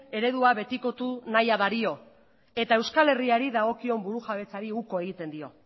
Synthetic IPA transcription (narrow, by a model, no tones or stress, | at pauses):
e̞ɾe̞ðuaβe̞t̪iko̞t̪unajaβaɾio̞ | e̞t̪ae̞wskale̞riaɾiðaɣ̞o̞kio̞mbuɾuʝaβe̞t͡saɾiuko̞e̞ɣ̞it̪e̞nd̪io̞